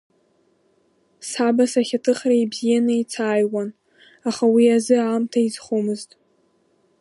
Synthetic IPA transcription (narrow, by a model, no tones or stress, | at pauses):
sħabasaχʲatʰɨχraibzijanɨit͡sʰaːjwan | aχawiazɨaːmtʰaizχomɨztʼ